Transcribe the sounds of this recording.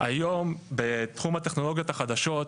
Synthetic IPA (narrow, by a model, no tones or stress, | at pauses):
ʔajo̞mbet̪χumhat̪e̞χno̞lo̞ɡijot̪aχad̪aʃo̞t̪